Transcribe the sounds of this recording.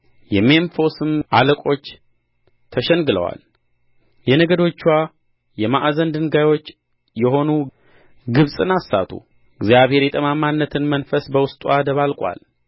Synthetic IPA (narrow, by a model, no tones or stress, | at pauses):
jɛmenfo̞sɨmaləkʼo̞t͡ʃː | t̪ʰəʃɛnɡɨlə̰wa̰l | jɛnəɡəd̪o̞t͡ʃːwa | jɛmaʔazənd̪ɨnɡajwo̞t͡ʃː | jɛho̞nu | ɡɨβsʼɨnasa̰t̪ʰṵ | ɨɡzjaβhe̞ɾjɛt̪ʼəmamanːət̪ʰɨnmənfəsbəwʊst̪ʼuad̪əβalkʼwa̰l